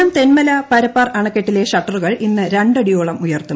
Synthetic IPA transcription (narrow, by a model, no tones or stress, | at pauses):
ɐmt̪e̞nmɐlɐpɐɾɐpːɐrɐɳɐkːeʈːile̞ʂɐʈːɐruɣɐɭʔinːɨɾeɳɖɐɽijoːɭɐmujɐrt̪ːu